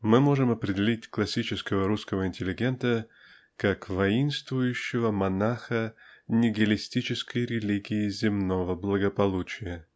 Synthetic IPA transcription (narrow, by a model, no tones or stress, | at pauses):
mɨmo̞ʐɨmɐpɾʲɪdʲɪlʲitʲklˠɐsʲit͡ɕɪskəvəɾuskəvəɪnʲtʲɪlʲɪɡʲe̞nt̪ə | kakvɐinst̪vʊjʉɕːɪvəmɐnaxənʲɪɡʲɪlʲɪsʲtʲit͡ɕɪskəjɾʲɪlʲiɡʲɪɪzʲɪmnovəblˠəɡəpɐlˠut͡ɕɪjə